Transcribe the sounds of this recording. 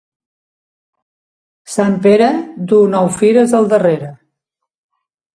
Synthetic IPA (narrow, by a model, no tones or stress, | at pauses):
sampeɾəd̪unɔwfiɾəzðəlˠd̪əreɾə